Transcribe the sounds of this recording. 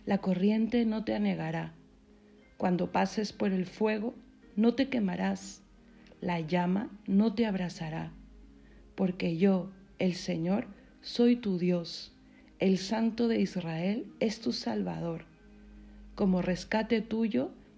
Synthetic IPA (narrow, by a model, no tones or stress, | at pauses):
lako̞rje̞nt̪e̞no̞t̪e̞ane̞ɣaɾa | kwand̪o̞pase̞spo̞ɾe̞lfwe̞ɣ̞o̞ | no̞t̪e̞ke̞maɾas | laʝamano̞t̪e̞aβɾasaɾa | po̞ɾke̞ʝo̞ | e̞lse̞ɲo̞ɾ | so̞jt̪uðjo̞s | e̞lsant̪o̞ðe̞izrae̞le̞st̪usalβa̰ð̞o̞ɾ | ko̞mo̞re̞skat̪e̞t̪uʝo̞